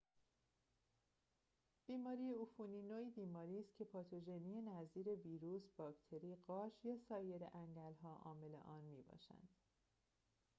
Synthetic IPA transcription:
b̥iːmɒːɾiːje̞ufuniːnoːiːbiːmɒːɾiːst̪̚cʰe̞pʰɒːt̪ʰoʒeniːjenæziːɾe̞viːɾuːsb̥ɒːkt̪ʰe̞ɾiːɢɒːʃjɒːsɒːje̞ɾḛʔæŋɟælɦɒːʔɒ̰ːme̞le̞̰ʔɒːnmiːbɒ̰ːʃæ̰nd̪̥

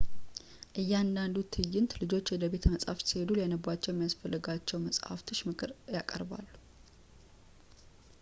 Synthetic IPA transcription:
ʔɨjːand̪and̪ut̪ʰɨjːɪnt̪lɨd͡ʒo̞t͡ʃːwɔd̪əbe̞t̪ʰəməsʼha̰fsihe̞d̪uljanəbat͡ʃːɛwɛmijasfəlːɨɡat͡ʃːɛwməsʼha̰ft̪ʰɨʃmɨkʰɨɾjakʼə̰ɾba̰lːu

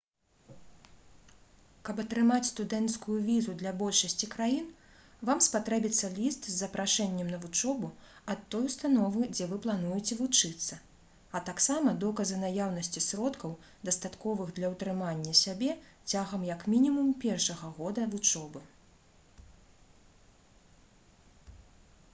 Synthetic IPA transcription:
kɐpɐt̪ɾɨmat͡sʲst̪ud̪ɛnt̪skujuvʲizud̪lʲɐbɔlʲʂɐsʲt͡sʲikɾajin | vamspat̪ɾɛbʲit̪sːɐlʲist̪zːɐpɾʔaʂɛnʲːɛmnɐvut͡ʂɔbuɐt̪ːɔjust̪anɔvɨd͡zʲɛvɨplˠan̪ujɛt͡sʲɛvut͡ʂɨt̪sːɐ | ɐt̪aksamɐd̪ɔkɐzɨnajawnɐsʲt͡sʲisɾɔt̪kɐw | d̪ɐst̪at̪kɔvɨɣd̪lʲɐwt̪ɾɨmanʲːɐsʲabʲɛt͡sʲaɣɐmjɐkmʲinʲimumpʲɛrʂɐɣɐɣɔd̪ɐvut͡ʂɔbɨ

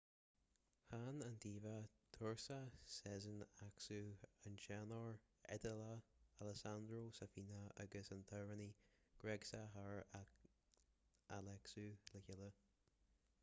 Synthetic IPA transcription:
hanand̪iːvat̪ʰʊɹsasɛzənaksuanʃanɔɹɛ̰d̪əlaaləsand̪ɾoːsafiːnaa̰ɡəsant̪ʰaɹəniɡ̥ɹɛɡsaɦaɹa | ʔalɛksuləçɪlə

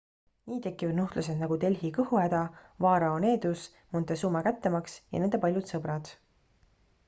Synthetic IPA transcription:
niːt̪e̞kːˑivɑd̪nuht̪luse̞d̪̥nɑɡ̥ut̪e̞lʲɦikɤhuæd̪̥ɑvɑːɾɑone̞ːd̪us | munt̪esuːmɑkæt̪ːemɑksjɑ̰ne̞nd̪epɑlʲjut̪sɤbɾɑd̪̥

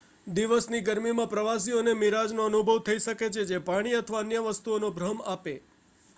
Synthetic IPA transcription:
d̪iʋəsniɡəɾmimãpɾəʋas̬ionemiɾad͡ʒnoənubʱəʋt̪ʰəiʃəket͡ʃʰed͡ʒepaɽ̃iət̪ʰəʋaənjəʋəst̪uonobʱɾəmape

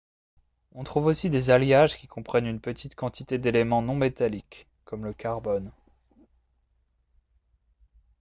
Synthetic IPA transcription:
ɔ̃t̪χuvosid̪ezaljaʒkʲikɔ̃pχɛnynpət̪ʰit̪kɑ̃t̪it̪ed̪elemɑ̃nɔ̃met̪alikː | ɔmləkaʁbɔn

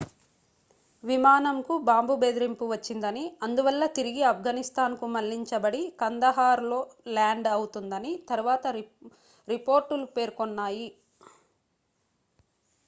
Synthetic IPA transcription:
ʋimaːnɐmkubaːmbube̞ːd̪ɾimpuʋɐt͡ʃːind̪ɐniɐnd̪uʋɐlːɐt̪iɾiɡiɐpʰɡɐnist̪aːnkumɐlːiɲt͡ʃɐbɐɽikɐnd̪ɐɦaːɾlo̞ːlaːɳɖɐwut̪und̪ɐnit̪ɐɾuʋaːt̪ɐ | ɾipoːɾʈulupe̞ːɾkonːaːji

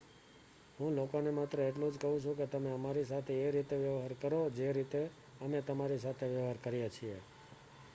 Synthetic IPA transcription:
ɦũlokonemat̪ɾəeʈlũd͡ʒkəɦũt͡ʃʰũket̪əmeəmaɾis̬at̪ʰeːɾit̪eʋjəʋɦaɾkəɾod͡ʒeɾit̪e | əmet̪əmaɾis̬at̪ʰeʋjəʋɦaɾkəɾjat͡ʃʰie

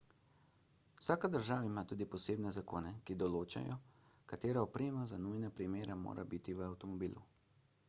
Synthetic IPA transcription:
wsaːkad̪əɾʒaːʋaimaːt̪uːd̪ipɔseːbnɛzakoːnɛkid̪ɔloːt͡ʃa̰jɔ | kat̪eːɾaɔpɾeːmazanujnapɾimeːɾamo̰ːɾʔa̰bit̪iʋəawt̪ɔmɔbiːlu

